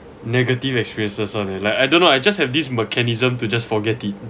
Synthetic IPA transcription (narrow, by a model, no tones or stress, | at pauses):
nɛɡətivɛkspiɹiə̃nsəsɔnɛlajkajdõnːoajd͡ʒashɛvdismɛkʰɛnizə̃mtud͡ʒasfɔɡɛtit̚